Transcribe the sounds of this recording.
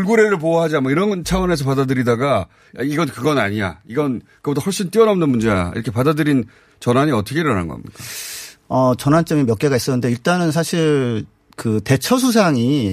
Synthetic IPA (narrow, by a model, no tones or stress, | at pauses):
uɭɡuɾeɾɯɭp̬oaɦad͡ʑianmaiɾʌnnt͡ɕʰawʌne̞s̬ʰʌpadadɯɾidaɡa | aiɡʌnkɯɡʌna̰ɲiɲa̰iɡʌnkɯʌbit͈ʰahoɭɕ͈int͈iʌnaunɯnmund͡ʑe̞a̰ḭɾʌkʰe̞padadɯɾin | t͡ɕʌnaɲiʌtʰʌkʰeɾɯɾana̰nɡʌ̰a̰mɲḭk͈a | ʌt͡ɕʌnant͡ɕ͈ʌmimjʌk͈e̞ɡais͈ʌnːɯnde̞iɭt͈anɯns̬ʰaɕʰiɭ | kɯte̞t͡ɕʰʌsʰus̬ʰaŋi